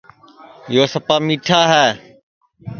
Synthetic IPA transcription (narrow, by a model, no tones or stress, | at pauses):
joːsəpaːmiːʈʰaːɦɛː